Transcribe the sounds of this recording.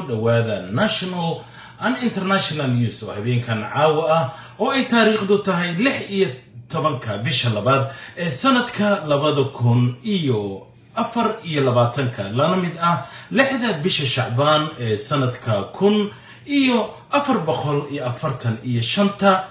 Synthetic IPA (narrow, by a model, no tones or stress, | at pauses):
ʊɖɐwaːðɐnaʃɔnɐl | ʔɐnɪnt̪ʰɛrnaʃɔnɐljusɔhɐβɛːŋkʰɐnʕɑːwɐɐh | ɔːɛjt̪ʰaːɾiːχd̪ʊt̪ʰɐɦɛjlɪħijɔt̪ʰɔβɐŋkʰɐbɪʃɐlɐβaːd̪ʔɛːsɐnɐd̪kʰɐlɐβɐðɐkʰʊnʔijɔ | ʔɐfɐrijɔlɐβaːt̪ʰɐŋkʰɐlɐnɐmɪd̪ɐlɪħðɐbɪʃɐʃɑʕbaːnɛːsɐnɐd̪kʰɐkʰʊn | ʔijɔʔɐfɐrbɔqɔlijɔʔɐfɐrt̪ʰɐnijɔʃɐnt̪ʰɐ